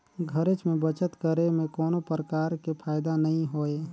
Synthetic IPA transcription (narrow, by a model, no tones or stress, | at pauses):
ɡʱəɾet͡ʃmẽbət͡ʃət̪kəɾemẽkɔːnopɾəkaːɾkepʰaːjd̪anəɦĩɦoːe